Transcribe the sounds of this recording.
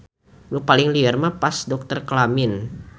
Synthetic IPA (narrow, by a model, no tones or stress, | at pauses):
bupalɪŋliɛrmapasdɔk̚t̪ərklamɪn